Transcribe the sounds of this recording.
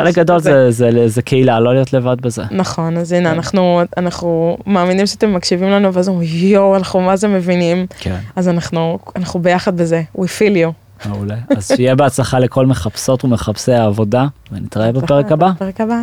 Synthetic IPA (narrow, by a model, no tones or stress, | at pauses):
χelekɡad̪o̞lzezezekʰeilalo̞lijot̪le̞vad̪bezenaχo̞nazinaːnaχnuanaχnumaːminimʃeat̪e̞mːakʃivimlanuveazomijowanaχnumazeme̞vinimkʰḛnazanaχnuanaχnube̞jaχad̪be̞ze̞wʔifiljo | ulea̰zʃeijebeat͡slaχalekʰo̞lmeχapso̞tumeχapseaːvo̞davenit̪ʁaebapeʁekabapeʁekaba